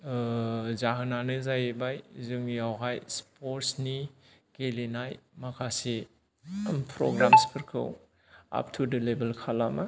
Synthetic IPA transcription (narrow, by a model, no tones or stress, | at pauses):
zaɦɯnanɯzajebajzɯŋjawɦajspʰoɾsni | kelenajmakʰase | a̰mpʰɾo̰ɡɾamspʰɯɾkʰɯ̰w | a̰p̚tʰudɯlebelkʰalama